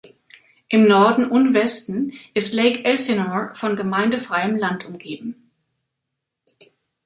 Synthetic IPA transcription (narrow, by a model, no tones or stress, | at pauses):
ʔɪmnɔɐdn̩ʔʊntvɛstn̩ʔɪstleɪkɛlsɪnɔfɔnɡəmaɪndəfʁ̥aɪəmlantʊmɡeːbm̩